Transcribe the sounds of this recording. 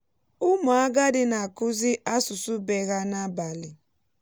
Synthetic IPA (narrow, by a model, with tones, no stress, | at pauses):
ʊ˦ma˨a˦ɡa˦dɪ˦na˨a˨kʊ˦zɪ˦ʔa˦sʊ˨su˦be˨ɣa˦na˦ba˨lɪ˨